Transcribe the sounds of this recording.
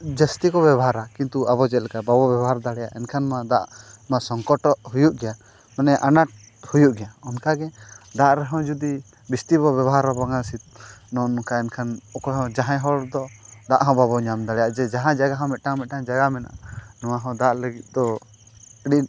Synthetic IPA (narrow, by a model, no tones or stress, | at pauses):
d͡ʒəst̪ikɔbabɔɦaɾakint̪uabɔd͡ʒɛt̪lɛkababɔbjɛbɔɦaɾd̪aɽɛja̰ʔɛnkʰanmãd̪a̰ʔmasɔŋkɔʈɔʔhujuʔɡɛja | manɛʔanaʈ̚ | hujuʔɡɛjaɔnkaɡɛd̪aʔɾɛɦɔ̃d͡ʒud̪i | bist̪ibɔbɛbɔɦaɾabaŋasit̪nɔnɔkaɛnkʰanɔkɔɦɔ̃d͡ʒaɦãjɦɔɽd̪ɔd̪aʔɦɔ̃babɔɲamd̪aɽɛjaʔd͡ʒɛd͡ʒaɦãd͡ʒaɡaɦɔ̃mɛt̪̚ʈamɛt̪̚ʈãd͡ʒaɡamɛnaʔanɔwaɦɔ̃d̪aʔləɡit̪̚ˀd̪ɔ | əɽin